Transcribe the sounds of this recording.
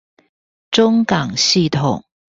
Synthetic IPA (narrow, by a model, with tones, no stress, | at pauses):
ʈ͡ʂʊ˥ŋkɑ˨˩ŋɕi˥˩t̪ʰʊ˨˩ŋ